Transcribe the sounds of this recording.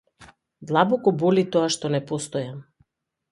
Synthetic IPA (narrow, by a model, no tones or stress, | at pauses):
d̪lˠabɔkɔbɔlit̪ɔaʃt̪ɔnɛpɔst̪ɔjam